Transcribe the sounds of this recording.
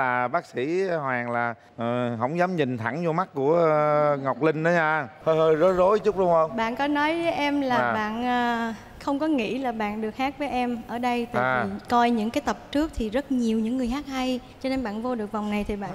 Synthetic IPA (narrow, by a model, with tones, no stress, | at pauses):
laː˨˩ɓaː˦˥k̚sḭ˧˥hwaː˨˩ŋlaː˨˩˨ | ɦə̰˧˥wŋ͡mzaː˨˦mɲï˨˩ŋ̟t̪ʰa˧˩ŋzo˧ma˦˥t̚ku˧˩əŋa˨˩wk͡p̚lï˧ŋ̟ɗə˨˦ɲaː˧hə˧jhəː˧jzɔ˨˦˥zo˨˦jt͡ɕʊ˦˥k͡p̚ɗʊ˧˩ŋ͡mhə˧wŋ͡mɓa̰ː˧˨nkɔ˨˦nɔ˨˦jvəː˨˦jʔɛ˧mlaː˨˩ɓa̰ː˧˨nʔəː˨˩ | xə˧wŋ͡mkɔ˨˦ŋḭ˧˥laː˨˩ɓa̰ː˧˨nɗɨ˨˩ək̚haː˦˥k̚vəː˨˦jʔɛ˧mʔəː˧˩ɗə˧jt̪ːkɔ˧jɲɨ̰˧˥ŋkaː˨˦jt̪ə˨˩p̚t͡ɕɨ˦˥ək̚t̪ʰi˨˩zə˦˥t̚ɲi˨˩əwɲɨ̰˧˥ŋː˨˩əjɦaː˦˥k̚ha˧jt͡ɕɔ˧ne˧nɓa̰ː˧˨nvo˧ɗɨ˨˩ək̚va˨˩wŋ͡mna˨˩jt̪ʰi˨˩ɓa̰ː˧˨